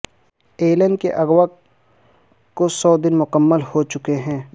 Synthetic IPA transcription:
eːlɛ̃ɳɖkeʔɐɣwa | kosɔːd̪ɪnmʊkəmːəlhot͡ʃʊkeɦɛ̃ː

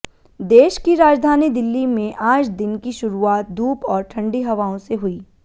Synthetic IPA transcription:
d̪eːʃkiɾaːd͡ʒd̪ʱaːnid̪ɪlːimẽʔaːd͡ʒd̪ɪnkiʃʊɾuaːt̪̚d̪ʱuːpɔːɾʈʰɐ̃ɳɖiɦɐʋaːõseɦʊiː

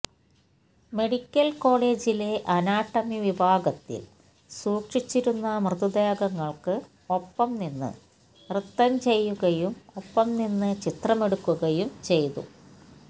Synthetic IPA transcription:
me̞ɽikʲːɐlko̞ːɭe̞ːd͡ʑile̞ʔɐnaːʈːɐmiʋibʱaːɡɐt̪ːḭl | suːkʂit͡ɕːiɾunːɐmrɨðud̪eːɡɐŋːɐɭkɨ | o̞pːɐmninːɨ̰ | rɨt̪ːɐmt͡ɕe̞jːuɣɐjumo̞pːɐmninːɨt͡ɕit̪rɐme̞ɽukːuɣɐjumt͡ɕe̞jt̪ṵ

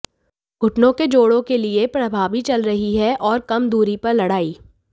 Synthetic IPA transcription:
ɡ̥ʱʊʈnõked͡ʒoːɽõkeliepɾɐbʱaːʋit͡ʃɐlɾɐɦiɦɛʔɔːɾkɐmd̪uːɾipɐɾlɐɽaːiː

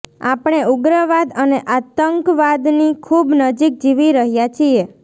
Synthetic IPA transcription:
a̰pɳ̃euɡɾəʋad̪əneʔat̪əŋkʋad̪nikʰubnəd͡ʒik̚d͡ʒiʋiɾəɦjat͡ʃʰie

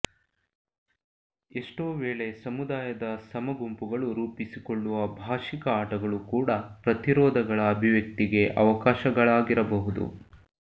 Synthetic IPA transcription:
eʂʈoːʋeːɭe̞sɐmud̪aːjɐd̪ɐsɐmɐɡumpuɡɐɭuɾuːpisikoɭːuʋɐbʱaːʃikɐaːʈɐɡɐɭukuːɽɐpɾɐt̪iɾɔːd̪ʱɐɡɐɭɐːbʱiʋjɐk̚t̪iɡe̞ʔɐ̰ʋɐkaːʃɐɡɐɭaːɡiɾɐbɐɦud̪ṵ

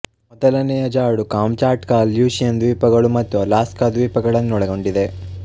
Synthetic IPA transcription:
mɔd̪ɐlɐnɛjɐd͡ʒaːɽukaːmt͡ʃaːɾʈkaːljuːsjɐnd̪ʋiːpɐɡɐɭumɐt̪ːulaːskɐd̪ʋiːpɐɡɐɭɐnːuɔɽɐɡo̞ɳɖid̪e̞

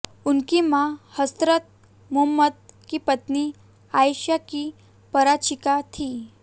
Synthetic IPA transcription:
unkimahəst̪ɾət̪̚ | mumːət̪̚kipət̪ni | ajɕjaki | pəɾat͡ɕikat̪ʰi

